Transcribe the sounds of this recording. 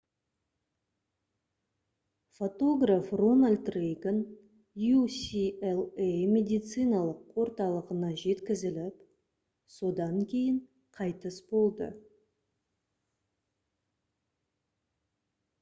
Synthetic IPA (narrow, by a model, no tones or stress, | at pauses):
fo̞t̪o̞ɡrafro̞nalʲt̪rejɡən | jusʲielˠejmʲe̞d̪ijt̪sɨjnɑlˠəqwo̞ɾt̪ɑlˠəʁənɑʒe̞t̪kʲɪzɪlɪp | so̞d̪ɑŋkʲʰe̞jɪɴ | qʰɑjt̪əsbo̞lˠd̪ə̰